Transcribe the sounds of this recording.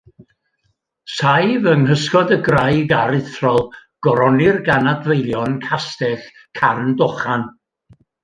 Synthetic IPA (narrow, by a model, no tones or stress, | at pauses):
sajvəŋɦəskɔdəɡrajɡaɾɪθrɔlˠɡ̥ɔɾɔnɪrɡanadvejlˠjɔnkʰastɛɬ | kʰarndɔχan